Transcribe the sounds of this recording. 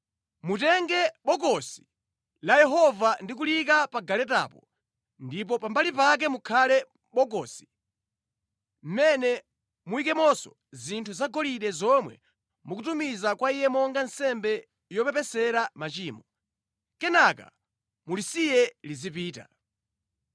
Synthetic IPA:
mutɛŋɡɛɓɔkɔsi̥ | lajɛɦɔvandik̬ulikapaɡalɛta̰pɔ | ndip̬ɔpambalipak̬ɛmukʰalɛ | ɓɔk̬ɔsi̥ | m̩mɛnɛ | muikɛmɔsɔ̰ | zintʰuzaɡɔliɗɛzɔmwɛ̰ | muk̬utumizakwaijɛmɔŋɡansɛmbɛ | jɔpɛpɛsɛɾamat͡ʃiːmɔ | kɛnaka̰ | mulisijɛlizipiːta̰

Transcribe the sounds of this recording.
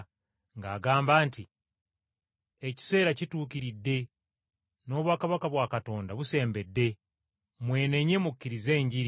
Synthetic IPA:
ŋɡaːɡaːmbaːnti | eci̥se̞ːɾacituːkiɾidːe̞ | no̞ːβwaːkaβakaβwaːkato̞ːndaβuse̞ːmbe̞dːe̞ | mwe̞ːne̞ɲe̞mukːiɾize̞ːɲɟiɾi

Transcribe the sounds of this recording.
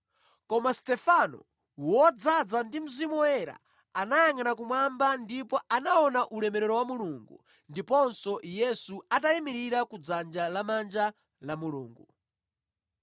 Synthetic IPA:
kɔmastɛfanɔ̰ | wɔd͡zad͡zandim̩zimɔɛɾa̰ | anajaŋanakumwambandipɔanaɔnaʔulɛmɛɾɛɾɔwamuluŋɡṵ | ndipɔnsɔjɛsuataimiɾiɾakud͡zand͡ʒalamand͡ʒa | lamulṵːŋɡu

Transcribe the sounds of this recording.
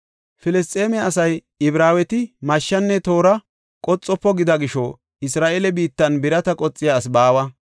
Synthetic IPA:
fɪlɪs̬t̪ʼe̞ːmɛɐsɐj | ɪbɾaːwɛt̪ɪmɐʃːɐnːɛt̪o̞ːɾɐ | kʼɔt͡sʼːɔpːɔɡɪd̪ɐɡɪʃɔ | ɪsɾaːʔeːlɛbiːt̪ːɐnbɪɾɐt̪ɐkʼɔt͡sʼːɪjaːs̬baːwɐ

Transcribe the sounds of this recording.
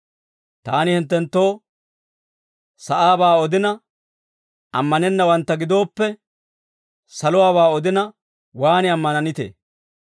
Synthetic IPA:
t̪aːnɪhɪnt̪ːɛnt̪ːo̞ː | sɐʔaːbaːɔd̪ɪnɐ | ɐ̰mːɐnɛnːɐwɐnt̪ːɐɡɪd̪o̞ːpːɛ | sɐlʊwaːβaːɔd̪ɪnɐ | waːnɪɐmːɐnɐnɪt̪ḛː

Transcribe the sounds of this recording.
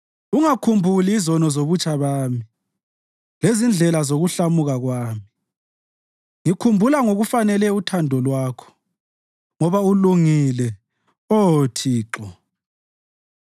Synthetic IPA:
uŋakʰumbʱuliːzɔnɔzoβut͡ʃʼʰaβaːmi | lezind͡ɮʱɛlazoɣuɬamuɣaɣwaːmi | ŋikʰumbʱulaŋoɣufanɛlɛutʰandʱɔlwaːkʰɔ̥ | ŋɔβauluŋilɛ | ɔtʰiːǁɔ

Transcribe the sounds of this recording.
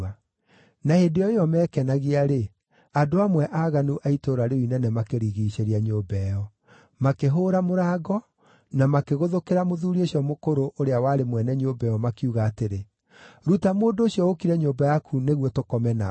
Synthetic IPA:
a | nahedejɔejɔmɛːkɛnaɣiaɾe | adoamwɛʔaːɣanuʔaitoːɾaɾeoinɛnɛmakeɾiɣiːɕeɾiaɲoːbɛjɔ | makeɦoːɾamoɾaːɡɔ | namakeɣoðokeɾamoðuɾioɕiɔmokoɾoʔoɾeawaɾemwɛnɛɲobɛjɔmakiuɣaːteɾe | ɾutamoːndooɕiɔokiɾɛɲoːbajakʰuneɣwɔtokɔmɛna̰

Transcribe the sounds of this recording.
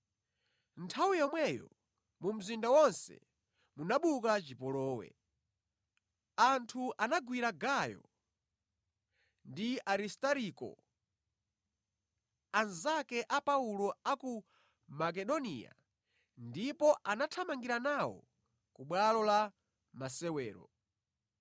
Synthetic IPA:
ntʰawijɔmwɛjɔ̰ | mum̩zindawɔnsɛ̰ | munaɓukat͡ʃipɔlɔːwɛ̰ | antʰuʔanaɡwiɾaɡajɔ̰ | ndiaɾistaɾikɔ̰ | anzakɛʔapaulɔaku | mak̬ɛɗɔnḭa̰ | ndipɔʔanatʰamaŋɡiɾanawɔ̰ | kuɓwalɔla | masɛwɛːɾɔ̰

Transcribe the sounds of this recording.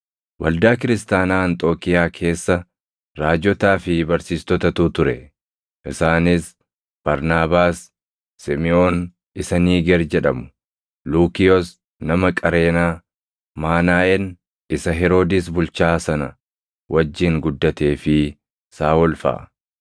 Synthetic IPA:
wɐld̪aːkɪɾɪst̪aːnaːɐnt̪ʼo̞ːkɪjaːkʰe̞ːsːɐ | ɾaːd͡ʒɔt̪aːfɪbɐɾsiːst̪ɔt̪ɐt̪uːt̪ʊɾɛ | ʔɪsaːnɪs | b̥ɐɾnaːbaːsː | ɪmɪoːn | ɪsɐniːɡɛɾd͡ʒɛᶑɐmʊ̥ | luːkɪjɔs | nɐmɐkʼɐɾe̞ːnaː | maːnaːʔɛn | ʔɪsɐɦɛɾo̞ːd̪ɪsbʊlt͡ʃaːsɐnɐ | wʔɐd͡ʒːɪŋɡʊd̪ːɐt̪e̞ːfɪ | saːɔlfɐ̰ʔ

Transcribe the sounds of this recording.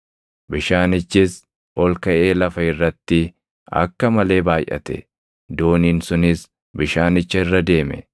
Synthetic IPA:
bɪʃaːnɪt͡ʃːɪs | ɔlkɐʔe̞ːlɐfɐɪrːɐt̪ːɪ | ɐ̰kːɐmɐle̞ːbaːjʔɐ̰t̪ɛ̰ | d̪o̞ːniːnsʊnɪs | bɪʃaːnɪt͡ʃːɐɪrːɐd̪e̞ːmɛ̰

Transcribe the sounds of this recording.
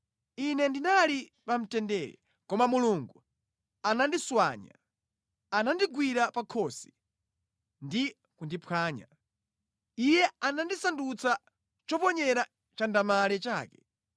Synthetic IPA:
inɛndinalipam̩tɛndɛːɾɛ̰ | kɔmamuluŋɡu | anandiswaɲa̰ | anandiɡwiɾapakʰɔsi̥ | ndi | kundipʰaːɲa̰ | ijɛanandisandut͡sa | t͡ʃɔpɔɲɛɾa | t͡ʃandamalɛt͡ʃaːkɛ̥

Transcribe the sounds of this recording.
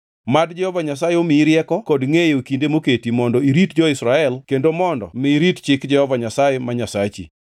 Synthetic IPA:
madd͡ʒɛhɔvaɲasajeomɪɾjɛkɔkɔdŋejokindemoketimɔndɔiɾitd͡ʒɔɪsɾaɛlkendomɔndɔ̰mɪɾitt͡ʃɪkd͡ʒɛhɔvaɲasajemaɲasat͡ʃḭ

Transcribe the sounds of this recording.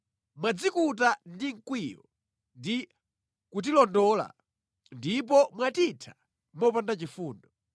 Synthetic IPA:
mwad͡zikut̬andiŋ̩kwijɔ | ndi | kut̬ilɔndɔla̰ | ndip̬ɔmwatitʰḁ | mɔpandat͡ʃifuːndɔ

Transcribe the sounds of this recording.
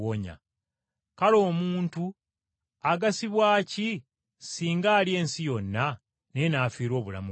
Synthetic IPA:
oɲa̰ | kalo̞ːmuːntu | aɡasiβwaːci | siːŋɡaːlie̞ːnsijo̞nːa | ne̞naːfiːɾo̞ːβula̰mu

